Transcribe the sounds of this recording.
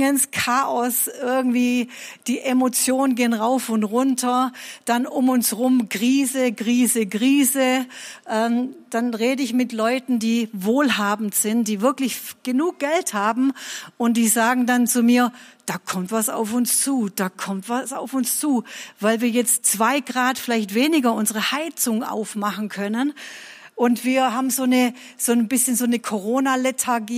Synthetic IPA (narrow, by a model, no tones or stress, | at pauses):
ənskʰaːʔɔsʔɪɐɡŋ̩tv̥iːd̥iːʔemot͡sjoːnənɡeːənʁaʊfʊntʁʊntʰɐd̥anʔʊmʊnsʁʊmkʁiːzəɡʁiːzəɡʁiːzəʔɛːmd̥anʁeːdəɪçmɪtlɔʏtn̩diːvoːlɦaːbm̩tz̥ɪntd̥iːvɪɐklɪçɡ̥ənuːk̚ɡ̥ɛlthaːbm̩ʊntd̥iːzaːɡŋ̩dant͡sumiːɐd̥aːkʰɔmtv̥asa̰ʊfʊnst͡suːd̥aːkʰɔmtv̥asaʊfʊnst͡suːvaɪlviːɐjɛt͡stt͡sv̥aɪɡʁaːtfɪlaɪçtv̥eːnɪɡɐʔʊnzəʁəhaɪt͡sʊŋʔa̰ʊfmaχn̩kʰœnən | ʔʊntv̥iːɐɦaːbm̩zoːnə | z̥oːnbɪsçənzoːnəkʰoʁoːnalɛtʰaɐɡiː